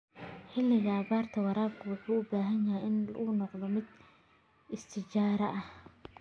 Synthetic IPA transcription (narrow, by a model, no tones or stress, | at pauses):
ħɪlːɪɣɐːbaːrt̪ʰɐwɑɾaːbkʰʊwʊħuːʊbaːɦɐnjɐɦɛjɪnlṵːnɔqd̪ɔmɪd̪ | ɪst̪ʰɪt͡ʃaːɾɐʔɐh